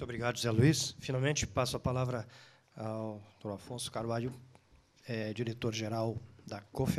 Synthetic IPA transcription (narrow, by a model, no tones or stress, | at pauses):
t̪obɾiɡad̪ʊʊzɛluisfinawmẽnt͡ʃɪ̥pasʊapalavɾɐ | awd̪oafõsʊ̥kaɾvaʎʊ | ɛd͡ʒiɾet̪oɾʒeɾawd̪ɐkof